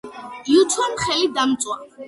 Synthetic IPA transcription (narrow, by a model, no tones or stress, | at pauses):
iut̪ʰwɛmχɛlid̪amt̪sʼwa